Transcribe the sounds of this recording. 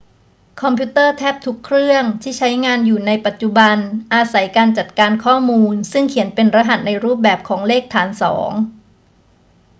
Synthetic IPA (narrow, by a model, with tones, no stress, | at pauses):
kʰɔ˧mpʰi˦˥t̪ɤː˥˩t̪ʰɛː˦˥p̚t̪ʰu˦˥kʰɾɯ˥˩əŋt̪ʰiː˥˩t͡ɕʰa˦˥jŋaː˧njuː˨˩na˧jpa˨˩t̪̚t͡ɕu˨˩ba˧nʔaː˧sa˩˦jkaː˧nt͡ɕa˨˩t̪̚kaː˧nkʰɔː˥˩muː˧nsɯ˥˩ŋkʰi˨˩˦ənpe˧nɾa˧ɦa˨˩t̪̚na˧jɾuː˥˩p̚bɛː˨˩p̚kʰɔː˩˦ŋleː˥˩k̚t̪ʰaː˩˦nsɔ̰ː˩˦ŋ